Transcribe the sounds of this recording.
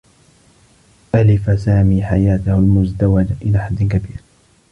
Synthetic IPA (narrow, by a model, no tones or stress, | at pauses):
ʔalɪfasaːmiːħajaːt̪ahʊlmʊzd̪awad͡ʒaʔɪlaːħad̪ːɪnkabiːɾ